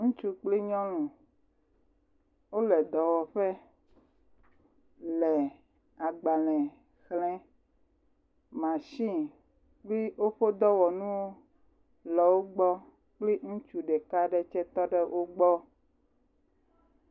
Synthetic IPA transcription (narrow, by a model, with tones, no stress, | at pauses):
ŋũ˦t͡ʃu˦k͡pli˦ɲɔ̃˦lũ˨ | wo˦lɛ˨d̪ɔ˨wɔ˨ɸɛ˦ | lɛ˨ | a˨ɡ͡ba˨lɛ̃˨ | xlɛ̃˦ | mã˨ʃĩ˦ | k͡pli˦wo˦ɸo˦d̪ɔ˦wɔ˨nũ˦wo˦ | lɔ˨wo˦ɡ͡bɔ˦ | k͡ple˦ŋũ˦t͡ʃu˨ɖɛ˨ka˦ɖɛ˦t͡ʃɛ˦t̪ɔ˦ɖɛ˦wʔo˦ɡ͡bɔ˦